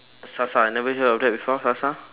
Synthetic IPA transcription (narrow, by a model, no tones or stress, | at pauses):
sasaanɛvəɦəɔp̚dɛt̚bifɔsasa